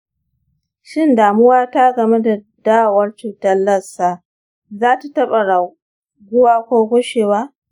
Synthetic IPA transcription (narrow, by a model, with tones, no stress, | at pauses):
ʃɪ˦ndaː˨mʊ˦waː˦ta˦ɡɐ˨me˦da˨ | daː˦wwɐ˦rt͡ʃuː˨tɐ˦lːɐ˦sa˨ʔ | zaː˦ta˨tɐ˦ɓa˨ɽa˨ | ɡʷʊ˦waː˦kʷoː˦ɡʷʊ˦ʃeː˨waː˦